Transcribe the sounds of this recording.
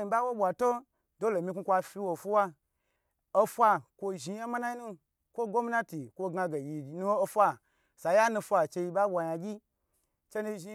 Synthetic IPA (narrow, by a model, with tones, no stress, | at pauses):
i˨ba˦wo˦bʷa˨to˦ | do˦lo˨mʲi˧kʷu˧kʷa˧fi˧wo˨fu˦wa˦ | o˦fʷa˧kʷo˧ʒi˧ja˦ma˦na˦ji˦nu˦ | kʷo˦ɡo˦mi˦na˦ti˨kʷo˧ɡa˧ɡe˨ji˨nu˦wo˦o˧fʷa˦ | sa˨ja˦nũ˧fʷa˨t͡ʃe˧ji˧ba˦bʷa˧ja˧ɡʲi˦ | t͡ʃe˦nu˧ʒi˧